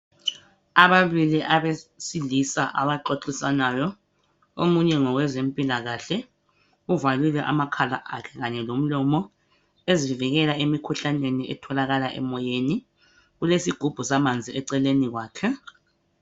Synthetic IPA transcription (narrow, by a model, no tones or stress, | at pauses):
aβaβiliʔaβesilisaʔaβaǃoǃisanajɔ | omuɲɛŋɔɣwɛzempʼilaɣaɬɛ | uvalwilɛʔa̰makʰala̰ʔakʰɛ̥ɣaɲɛlom̩lɔmɔ | eziviɣɛlaemikʰuɬaneniʔɛtʰɔlaɣalaʔɛ̰mɔjeni | ɣulesiɡ̥ʱub̥ʱusamand͡zʱiɛǀɛleniɣwaːkʰɛ